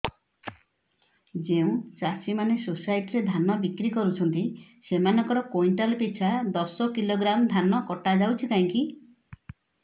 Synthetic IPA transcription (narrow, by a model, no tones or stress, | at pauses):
d͡ʒeũt͡ʃasimanesosajʈiɾed̪ʱanɔbikɾikɔɾut͡ʃʰɔnt̪isemanɔŋkɔɾɔkojɳʈalpit͡ʃʰad̪ɔsɔkiloɡɾamɔd̪ʱanɔkɔʈad͡ʒawt͡ʃʰikaɦĩŋki